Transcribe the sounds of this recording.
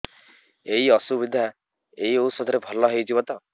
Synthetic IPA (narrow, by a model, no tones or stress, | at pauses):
eɦiɔsubid̪ʱa | eɦiousɔd̪ʱɔɾebʱɔlɔɦejd͡ʒibɔt̪ɔ